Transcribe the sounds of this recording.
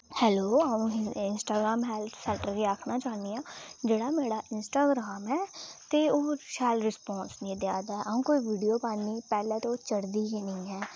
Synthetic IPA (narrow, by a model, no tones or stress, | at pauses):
hɛːloːaũːɪnsʈaːɡɾaːmɦɛːlʰsɛɳʈəɾkiːaːkʰnaːt͡ʃaːnijãːd͡ʒeːɽaːmeːɽaːʔɪnsʈaːɡɾaːmɛːt̪eoːʃɛːlɾɪspɔ̃ːnsnĩːd̪jaːd̪aːʔaːũːkoːiːʋiːɖijoːpaːnːiːpɛːleːt̪ot͡ʃəɽd̪iːɡenəĩːɦɛː